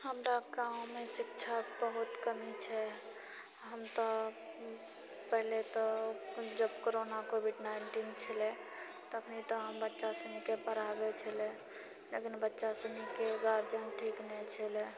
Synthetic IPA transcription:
həmɾaɡaʊ̃mesɪkt͡ʃʰabəɦut̪kəmit͡ʃʰɛ | ɦəmt̪ɔ | pəɦlet̪ɔd͡ʒəbkoɾonakobiɖnaɪɳʈint͡ʃʰəle | t̪əkʰnit̪ɔɦəmbətːʃasənikepəɾabet͡ʃʰəle | lekinbətːʃasənikeɡaɾd͡ʒənʈʰiknɛt͡ʃʰəle

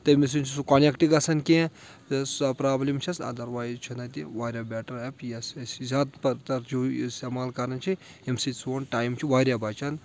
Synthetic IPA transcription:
t̪ɐmis̬int͡ʃʰisukɐnekʈiɡɐsʰɐnkʲẽ | t̪spɾaːblimt͡ʃʰɐsɐ̰d̪ɐɾʋaːjt͡ʃʰinɐt̪iʋaːɾʲabʲeːʈɐɾepjɐssizaːt̪pɐt̪ɐɾd͡ʒuist̪emaːlkɐɾɐnt͡ʃʰi | emsit͡soːnʈaːjmt͡ʃʰiʋaːɾʲjabɐt͡ʃʰɐn

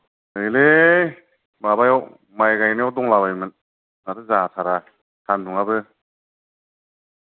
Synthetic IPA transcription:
ɯjle | babajaw | majɡajnijawdɔŋlabajmɯn | naɾɯzatʰaɾa | tʰanduŋabɯ

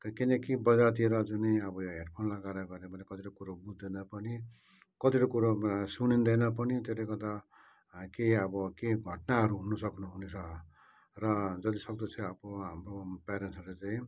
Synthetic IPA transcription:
kkinʌkibʌd͡zat̪̬ieɾʌd͡zuniʌbʌjoɦeʈpʰʌnlaɡaɾaɡʌɾebʌnekʌt̪iʈokuɾobud͡zd̪ʌnʌpʌni | kʌt̪iʈʌkuɾosunind̪ʌjnʌp̬ʌnit̪eɾekʌd̪a | keʌbʌkeɡʱʌʈnaɦʌɾuɦunʌsʌknuɦunet͡sʰʌ | rʌd͡zʌt̪isʌkd̪ʌt͡sʰʌʌbʌɦamropaɾensʌlet͡saĩ

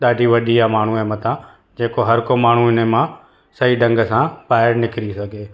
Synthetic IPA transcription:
ɗaːɖʱiʋɐɗʱiamaːɳ̤ũɛːmɐt̪ʰã | d͡ʑeːkoɦɐɾkomaːɳ̤uɪnemã | sɐiɖɐ̃ŋɡəsãpaːɪɾnɪkɪɾisɐɡʱeː

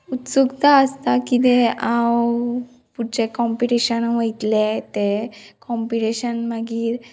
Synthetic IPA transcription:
ut̪sukt̪aəst̪akit̪ɛãw | puɽt͡ɕekɔmpiʈiɕənʋəjt̪let̪ekɔmpiʈeɕənmaɡiːɾ

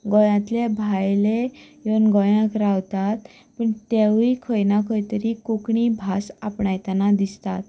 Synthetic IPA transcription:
ɡɔjãt̪lebʱajle | iʋənɡɔjãkɾawt̪at̪ | pəɳt̪ewikʰəjnakʰəjt̪əɾikukɳibʱasapɳajt̪anad̪ist̪at̪

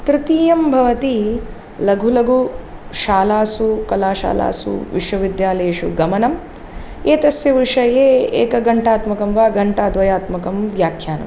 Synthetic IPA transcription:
t̪ɾɪt̪iːjɐmbʱɐʋɐt̪i | lɐɡʱulɐɡʱuʃaːlaːsukɐlaːʃa̰ːla̰ːsṵʋḭʂwɐʋid̪jaːleːʂṵɡɐmɐnɐm | eːt̪ɐsjɐʋiʂɐjeːḛːkɐɡɐɳʈaːt̪mɐkɐmʋaːɡɐɳʈaːd̪ʋɐjaːt̪mɐkɐmʋjaːkʰjaːnɐ̰m

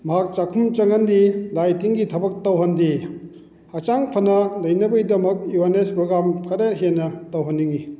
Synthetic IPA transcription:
mɐɦak̚t͡ʃakʰumt͡ʃɐŋɐndilajtiŋɡitʰɐbɐk̚tɐwɦɐndi | at͡ʃaŋpʰɐnɐlɐjnɐbɐjdɐmɐk̚juanespɾoɡamkʰɐɾeɦenːɐtɐwɦɐnːiŋi

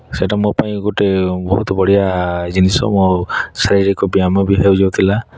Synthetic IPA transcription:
seʈamɔpaj̃ɡɔtɛbɔɦut̪ɔbɔɽijazinisɔ̰mɔsaɾiɾikɔbiamɔbiɦezɔwt̪ʰila

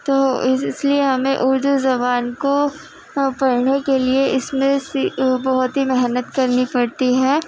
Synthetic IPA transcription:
t̪oːɪɪslieɦɐmẽʔʊɾd̪uzɐbaːnko | pɐɽnekelieʔɪsmẽsibɐɦʊt̪ɦimɛɦnət̪kɐɾnipɐɽt̪iɦɛː

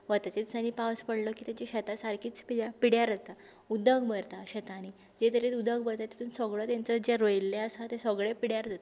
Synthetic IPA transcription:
ʋət̪at͡ɕesaniːpawspəɽlɔkiːt̪at͡ɕiɕɛt̪asaɾkʰiːt͡spiɽjapiɽjaɾd͡zat̪a | ud̪əɡbəɾt̪aɕət̪añi | d͡ʑet̪əɾet̪ud̪əɡbəɽt̪at̪ːat̪uːnsəɡɭət̪ãnt͡səd͡ʑeɾojilːeəsat̪esəɡɭepiɽjaɾd͡zat̪a

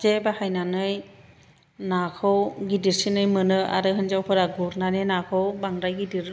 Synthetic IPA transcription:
zebahajnanɯj | nakʰɔwɡidiɾsinɯjmɯnɯa̰ɾɯɦɯnzawpʰɯɾaɡuɾnanenakʰɔwbaŋɾajɡidiɾ

